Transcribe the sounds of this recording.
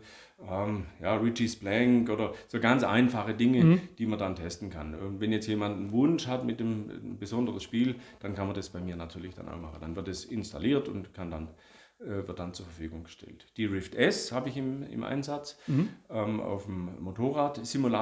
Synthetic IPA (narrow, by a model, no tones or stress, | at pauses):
ʔɛmjaːʁɪt͡ʃisb̥lɛŋkʔoːdɐz̥oːɡant͡sʔa̰ɪnfaχədɪŋəd̥iːmɐndantʰɛstn̩kʰa̰nɛ̰vɛnjɛt͡stjeːmandn̩vʊnʃhatmɪt̚dembəzɔndəʁəsʃpiːld̥ankanmɐndɐsb̥aɪmiːɐnatʰyːɐlɪçd̥a̰na̰ʊxmaχən̩d̥anvɪɐt̚d̥ɛsɪnsta̰liːɐtʊ̰ntkʰandan | ɛːvɪɐt̚d̥ant͡suːɐfɐfyːɡʊŋɡəʃtɛ̰ltd̥iʁɪftʔɛshaːbəɪçɪmɪ̰mʔa̰ɪnzat͡sʔɛːmʔa̰ʊfmːotʰoːʁaːtsimula